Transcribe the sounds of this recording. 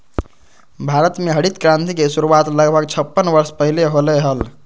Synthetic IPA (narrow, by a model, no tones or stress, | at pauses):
bʱaɾət̪meɦəɽit̪kɾãnt̪ikesuɾuat̪ləɡbʱəɡt͡ʃʰəpːənʋəɾspəɦileɦoleɦəl